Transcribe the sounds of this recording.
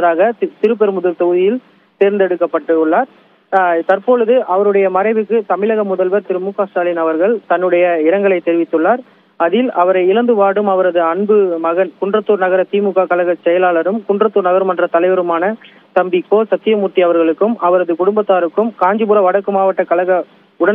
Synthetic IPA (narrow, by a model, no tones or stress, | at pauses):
ɐðaːɣɐt̪ɪɾɯp̬ːɛɾmʊðɐlt̪ɔɣɯðɪjɪl | t̪eːɾnd̪ɛɽɯkːɐpːɐʈːɯɭːaːɾ | t̪ɐɾpoːɻɯðɯʔɐʋɐɾɯɽɐjɐmɐɾɐɪʋɯkːɯt̪ɐmɪlɐɣɐmʊðɐlʋɐɾt̪ɪɾɯmʊkːaːsʈaːlɪnɐʋɐɾɣɐɭt̪ɐnːɯɽɐjɐɪɾɐŋɡɐɭɐɪt̪ːɛɾɪʋɪt̪ːɯɭːaːɾ | ɐðɪlʔɐʋɐɾɐɪɪlɐnd̪ɯʋaːɽɯmɐʋɐɾɐðɯɐɳbɯmɐɣɐnkʊɳɖrɐt̪ːuːɾnɐɣɐɾɐt̪iːmuɣaːkɐɭɐɣɐt͡ʃːɛjɐlaːɭɐɾɯmkʊɳɖrɐt̪ːuːɾnɐɣɐɾmɐndrɐt̪ɐlɐɪʋɐɾɯmaːnɐ | t̪ɐmbɪkːoːsɐt̪ːɪjɐmʊʈːiɐʋɐɾɣɐɭɯkːɯmʔɐʋɐɾɐðɯkʊɽʊmbɐt̪ːaːɾɯkːɯmkaːɲd͡ʒɪbʊɾɐʋɐɽɐkːɯmaːʋɐʈːɐkɐlɐɣɐ | ʊɽɐn